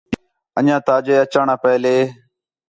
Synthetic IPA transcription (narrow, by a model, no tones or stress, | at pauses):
əɲãːt̪aːd͡ʒeːət͡ʃaːɳãːpəːleː